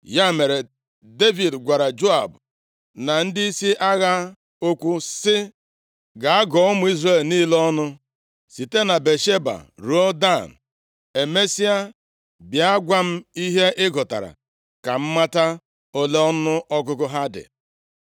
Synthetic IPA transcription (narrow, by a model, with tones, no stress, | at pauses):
ja˦me˨ɾe˨ | de˦vi˨dɡʷa˨ɾa˨d͡ʒo˦a˨b | na˨n̩˦dɪ˦i˦si˦ʔa˦ɣa˦ | o˦kʷu˦sɪ˦ | ɡa˨a˦ɡɔ˨˦ɔ˦mʊ˦i˦zre˦˨lniː˦lɔ˦nʊ˦ | si˨te˦na˨be˨ʃe˦ba̰˨ɾo˦da˦˨n̩˨ | e˨me˦si˦a˦ | bja˦ɡʷa˦m̩˦i˦ɦe˦ʔɪ˦ɡɔ˨ta̰˨ɾa̰˨ | ka˨m̩˦ma˦ta˦ | o˦le˦ɔ˦nʊ˦ʔɔ˦ɡʊ˦kʊ˦ɦa˦dɪ̰˨